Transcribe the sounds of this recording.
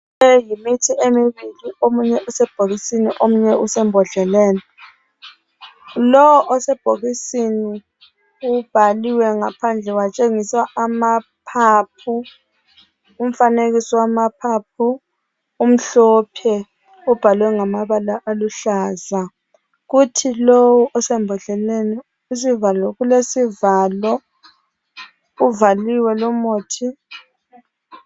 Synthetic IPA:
ɛjimitʰiʔemiβiliomuɲɛʔusɛb̥ʱoɣisiniʔomuɲɛusɛmbʱɔɮɛlɛːnɛ | lɔwɔʔɔsɛb̥ʱoɣisini | ub̥ʱaliwɛŋapʰand͡ɮʱɛwat͡ʃʼeŋisaamapʰaːp̚ʰu | um̩faneɣisɔwamapʰap̚ʰu | um̩ɬɔːpʰɛ | ub̥ʱalwɛŋamaβalaʔaluɬaːza | ɣutʰilowuʔɔsɛmbʱɔɬɛleni | usivalɔɣulesivaːlɔ | uvaliwɛlɔmoːtʰi

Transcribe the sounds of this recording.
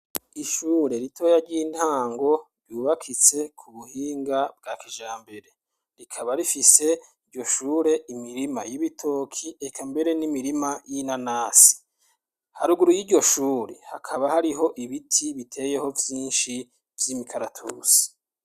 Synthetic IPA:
iʃuːɾe̞ɾitʰo̞ːjaɾɟiːntaːŋɡo̞ɾɟuːβakʰit͡se̞kʰuβuhiːŋɡab̚ɡaːkiʒaːmbe̞ɾe̞ | ɾikʰaβaɾifise̞ | iɾɟo̞ʃuːɾe̞imiɾima̰jiβitʰo̞ːkʰiekʰambe̞ɾe̞nimiɾimajinanaːsi̥ | haɾuɡuɾujiɾɟo̞ʃuːɾḛha̰kʰaβahaɾiɦo̞ʔiβitʰiβitʰe̞je̞ho̞vjiːnʃi | vjimikʰaɾatʰṵːsi̥

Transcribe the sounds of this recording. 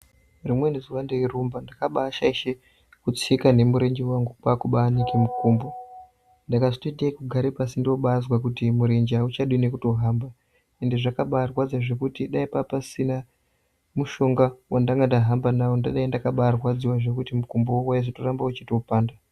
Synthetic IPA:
rimwe̞neziwandeirumbandakaɓaːʃaiʃe | kut͡sikane̞muɾe̞ɲd͡ʒewaŋɡupaːkuɓaːnikimukuːmbo | ndakaʐitoitaikuɡʱaɾepasindio̞ɓazwakutimuɾe̞ɲd͡ʒeaut͡ʃaɗiwine̞kuto̞ɦaːmba | e̞ndeʐakaɓaːrwad͡zwaʐe̞kutiɗaipapasina | muʃo̞ŋɡawʔandaŋɡandaɦambanawondaɗaindakaɓaːrwad͡ziwaʐe̞kutimukumbowowaizotorambaut͡ʃitopaːnda

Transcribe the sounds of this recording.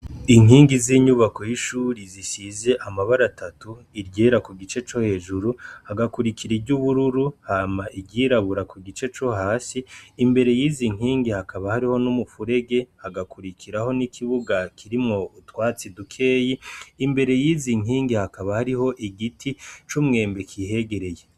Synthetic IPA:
iŋ̥hiːŋɡiziːɲuβako̞jiʃuːɾiziʃize̞ʔamaβaɾatʰatu | iɾɟe̞ɾakuɡit͡ʃe̞t͡ʃo̞he̞ːʒuɾuhaɡakuɾikiɾiɾɟuβuɾuɾuhaːmaʔiɡɟiːɾaβuɾakuɡit͡ʃe̞t͡ʃo̞haːsiːmbeɾe̞jiːziŋ̥ɦiːŋɡihakaβahaɾiho̞numufuɾe̞ɡe̞haɡakʰuɾikʰiɾaho̞nikʰiβuɡakʰiɾimŋo̞utwaːt͡sidukʰe̞ːjiːmbe̞ɾe̞jiːziŋ̥iːŋɡihakaβahaɾiho̞ʔiɡitʰit͡ʃumŋe̞ːmbe̞kʰihe̞ɡe̞ɾe̞je̞

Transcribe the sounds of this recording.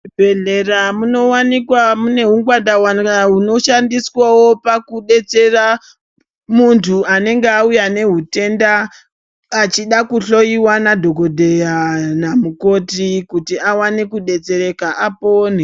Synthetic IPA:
bʱeɮe̞ramuno̞wanikwamune̞ɦuŋɡwadawanaɦuno̞ʃandiswawo̞pakuɗe̞t͡se̞ra | muntʰuane̞ŋɡeaujane̞ɦute̞ndaː | t͡ʃiɗakuɬo̞iwanadʱo̞ɡʱo̞dʱe̞janamuko̞tikutiawanekuɗe̞t͡se̞ɾe̞kaʔapone

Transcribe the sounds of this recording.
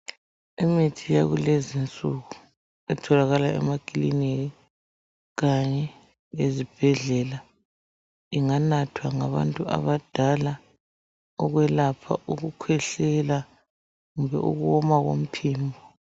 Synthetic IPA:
emitʰijaɣulezint͡sʼuɣu | ɛtʰɔlaɣalaɛ̰makʼilineɣi | ɣaɲɛ | ezib̥ʱɛɮɛla | iŋanatʰwaŋaβa̰ntʼuʔa̰βad̥ʱala | ɔɣwɛlapʰa̰ʔuɣukʰwɛɬɛla | ɣumbɛṵɣuwɔmaɣo̰m̩pʰiːmbʱɔ

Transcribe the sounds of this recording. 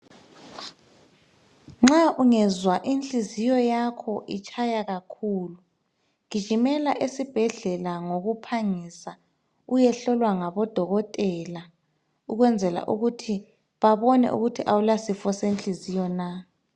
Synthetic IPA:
ŋ͡ǁaʔuŋɛzwaʔint͡ɬʼizijɔjakʰɔʔit͡ʃʰʼajaɣakʰuːlu | ɣi̥ʒ̥ʱimɛlaʔesib̥ʱɛɮɛlaŋoɣupʰaŋisa | ujɛɬɔlwaŋaβɔd̥ʱɔɣɔtʼɛla | uɣwɛnd͡zʱɛla̰ʔuɣutʰi | βaβɔnɛ̰ʔṵɣutʰiʔawulasifɔsenɬʼizijɔna

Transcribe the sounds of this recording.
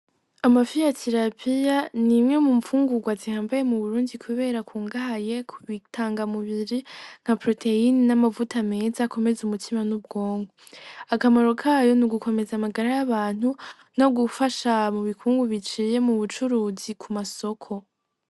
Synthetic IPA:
amafijatʰiɾapʰijanimŋe̞muɱfuːŋɡuɡwazihaːmbaje̞muβuɾuːndikʰuβe̞ːɾakʰuːŋɡaɦaje̞kuβitʰaːŋɡamuβiɾiŋ̥hapɾo̞tʰe̞ininamavutame̞ːzako̞me̞zumutʰimanub̚ɡo̞ːŋɡoakamaɾo̞kʰaːjo̞nuɡuko̞me̞zamaɡaɾajaβaːn̥hu | no̞ɡufaʃamuβikʰuːŋɡuβit͡ʃiːje̞muβut͡ʃuɾuːzikʰumaso̞kʰo̞

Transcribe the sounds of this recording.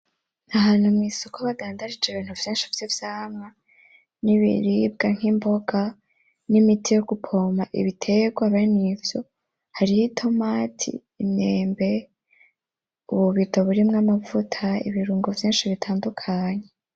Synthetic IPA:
aɦaːn̥humŋiːsokoβadaːndaɾid͡ʒeβiːn̥huv̥jiːnʃivjivjaːmŋa | niβḭɾib̚ɡaŋ̥himbo̞ɡa | nimitʰijo̞ɡupʰo̞maʔḭβitʰe̞ɡwaβeinivjo̞ | haɾihitʰo̞matʰḭːneːmbe̞ | uβuβitoβuɾimŋamavutʰaḭβiɾuːŋɡovjiːnʃiβitʰaːndukʰaɲe

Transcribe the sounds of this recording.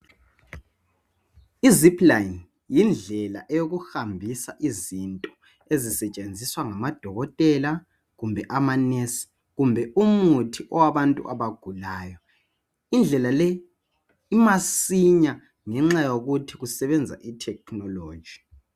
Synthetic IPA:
izipʰʼlain | jind͡ɮʱɛla̰ʔɛjoɣuhambʱisaʔizintʼɔ | ezisɛt͡ʃʼend͡zʱiswaŋamad̥ʱɔɣɔtʼɛla | ɣumbʱɛʔamanɛs | ɣumbʱɛumutʰiʔɔwaβantʼṵʔaβaɡ̥ʱulaːjɔ | ind͡ɮʱɛlalɛ | imasiɲa | ŋɛŋ͡ǁajoɣutʰiɣusɛβɛnd͡zʱa̰ʔitʰɛk̚ʰnɔlo̥ːd͡ʒ̥ʱi̥

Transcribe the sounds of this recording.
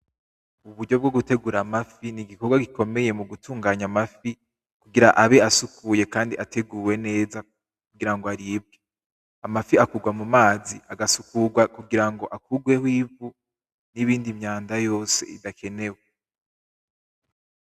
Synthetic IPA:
uβuɾɟo̞b̚ɡo̞ɡute̞ɡuɾamafiniɡiko̞ɾɡwaɡiko̞me̞je̞muɡutʰuːŋɡaːɲamafi | kuɡiɾaʔaβeasukuje̞kaːndiʔatʰe̞ɡuːwe̞ne̞ːza | k̚uɡiɾaŋɡoaɾiːb̚ɡe | amafiakuɡwamumaːziʔaɡasukuɡwakuɡiɾaŋɡo̞ʔakuɡwe̞hwiːvu | niβiːndimɲaːndajo̞ːse̞̰ḭdakʰe̞ne̞we

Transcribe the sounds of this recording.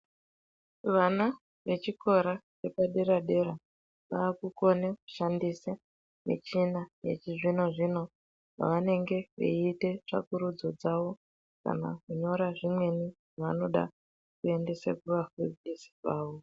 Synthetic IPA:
ʋana | ʋe̞t͡ʃikʰo̞ɾat͡ʃe̞paɗe̞ɾaɗe̞ɾa | ʋaːkuko̞neku̥ʃandisa | mḛt͡ʃinajḛt͡ʃiʐino̞ʐino̞ | ʐa̰ʋane̞ŋɡe̞ʋḛite̞ʐ̥a̰kuɾud͡zo̞d͡zaʋo̞ | ka̰na̰kuɲo̞ɾaʐimwe̞niʐiʋa̰no̞ɗa̰ | kue̞nde̞sa̰kuʋafurisi̥kaːʋo

